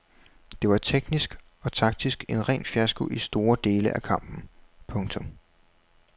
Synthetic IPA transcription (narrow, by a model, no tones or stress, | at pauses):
d̥e̝ʋɑ̈t͡sʰeɡ̥nisɡ̥ | ɒ̽t͡sʰɑ̈ɡ̥̚d̥isɡ̥e̝nʁɛ̰ːnfjæsɡ̥uʔisd̥o̝ːɐd̥e̝ːləʔækʰɑ̈m̰b̥n̩pʰɔ̽ŋt͡sʰɔ̽m